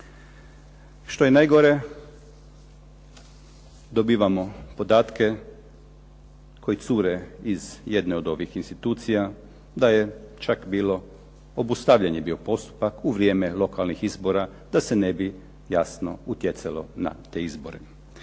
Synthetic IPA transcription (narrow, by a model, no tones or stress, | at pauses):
ʃt̪o̞jenajɡoɾe̞ | d̪obiːʋamo̞po̞d̪aːt̪ke | ko̞jit̪suːɾeizjed̪neo̞d̪o̞ʋixinst̪it̪uːt̪sija | d̪ajet͡ʃakbiːlo̞ | obust̪aʋʎaɲebiːo̞po̞st̪u̥pakuʋɾʲje̞ːmelˠo̞kalnixizbo̞ɾa | d̪asenebi | jasno̞̰ut̪jet̪salo̞̰na̰t̪eːizboɾḛ